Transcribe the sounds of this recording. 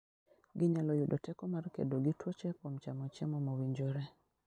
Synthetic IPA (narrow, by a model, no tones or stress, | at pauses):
ɡɪɲalɔjʊdotɛkɔmarkḛdoɡɪtwɔt͡ʃɛkomt͡ʃamɔt͡ʃɛmɔmowiɲd͡ʒoɾe